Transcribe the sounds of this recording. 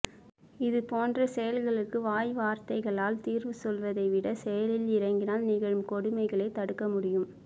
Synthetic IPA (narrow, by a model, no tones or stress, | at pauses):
ɪðɯpoːndrɐsɛjɐlɣɐɭɯkːɯʋaːjʋaːɾt̪ɐɪɣɐɭaːlt̪iːɾʋɯsɔlʋɐðɐɪʋɪɽɐsɛjɐlɪlɪɾɐŋɡɪnaːlnɪɣɐɻɯmkɔɽɯmɐɪɣɐɭɐɪt̪ːɐɽɯkːɐmʊɽɪjɯm